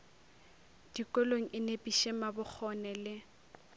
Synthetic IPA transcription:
d̥ikʼɔloŋ̩ʔɪnepʼiʃemabʊk͡xʰɔnɛlɪ

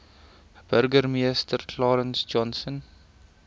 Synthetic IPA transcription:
b̥ərɡərmiəstərkʰlɑːɾənsd͡ʒɔnsən

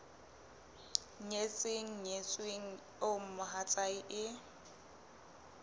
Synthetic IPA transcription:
ɲet͡sʼɪŋ̩ɲet͡sʼweŋ̩ | om̩mʊɦat͡sʼaiʔɪ

